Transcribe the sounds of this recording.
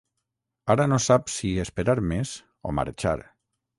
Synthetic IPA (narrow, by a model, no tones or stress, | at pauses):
aɾanosapsiespeɾaɾmez | o̰ma̰ɾt͡ʃa̰ɾ